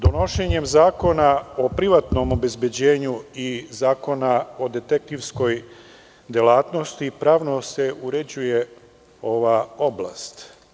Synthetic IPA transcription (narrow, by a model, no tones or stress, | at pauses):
d̪o̞no̞ʃeɲe̞mzaːko̞nao̞pɾiʋat̪no̞mo̞be̞zbje̞d͡ʑe̞ːɲuizaːko̞nao̞d̪e̞t̪ek̚t̪iʋsko̞j | d̪jelaːt̪no̞st̪ipɾaːʋno̞se̞ʔuɾe̞d͡ʑuje̞ | o̞ʋao̞bla̰st̪